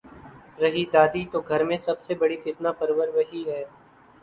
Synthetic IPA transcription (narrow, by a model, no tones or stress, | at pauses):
ɾɐɦiːd̪aːd̪iːt̪oːɡʱəɾmẽsɐbsebəɽifɪt̪napəɾʋəɾʋəɦiːɦɛː